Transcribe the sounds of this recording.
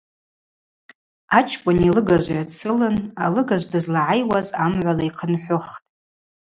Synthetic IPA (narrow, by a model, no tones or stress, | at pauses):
at͡ʃʰkʷʼʊnilɨɡaʒʷajat͡sʰɨlɨnalɨɡaʒʷdɨzlaʕajwazamʕʷalaiqʰənħʷʊχtʼ